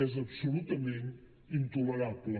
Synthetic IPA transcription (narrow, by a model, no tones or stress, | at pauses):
ɛzɐβsulˠut̪ɐmẽnt̪ | ĩnt̪uleɾaβlˠ